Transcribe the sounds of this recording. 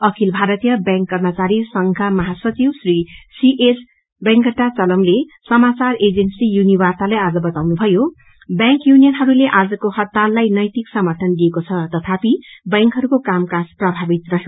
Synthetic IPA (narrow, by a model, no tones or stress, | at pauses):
ʌkʰilbʱaɾʌt̪ijʌbjãŋkːʌrmʌt͡saɾisʌŋkʰamʌɦasʌt͡siwsrisiʔes | bãŋkʌʈːat͡sʌlʌmlesʌmat͡sared͡zensijunibart̪alajad͡zʌbʌt̪awnubʱʌjo | bjãŋkjunijʌnɦʌɾuleʔad͡zʌkohʌt̪ːalːajnʌjt̪iksʌmʌrʈʰʌnd̪iekot͡sʰʌt̪ʌt̪ʰapibãŋkɦʌɾukokamkasprʌbʱabit̪rʌɦe